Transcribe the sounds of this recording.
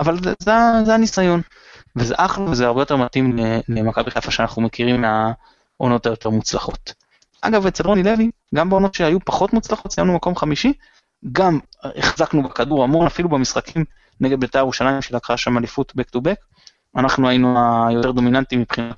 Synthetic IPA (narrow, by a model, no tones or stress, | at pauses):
avalzeazeanisajo̞n | vezḛʔaχluvezeaʁbejotemat̪imlelemakabiχefaʃeanaχnume̞kiʁima | o̞no̞tajo̞t̪eʁmut͡slaχo̞t̪ | ʔa̰ɡavet͡selʁonile̞vi | ɡambeo̞no̞tʃeajupaχo̞tmut͡slaχo̞t̪sijamnumako̞mχamiʃi | ɡameχzaknubekaduʁamo̞nafilubemisχakʰim | neɡe̞d̪̚bet̪eajuʃalajimʃelakʁaaʃamalifut̪bektubek | anaχnuainuajo̞t̪e̞ʁd̪o̞minant̪imipχinat